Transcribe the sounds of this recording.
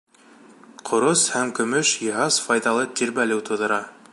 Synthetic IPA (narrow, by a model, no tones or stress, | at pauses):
qʰŏɾoshæmkɵ̆mɵʃjɤ̆ɦɑsfɑjðɑlˠɤt̪iɾbælɘwt̪ʰŏðɤ̆ɾɑ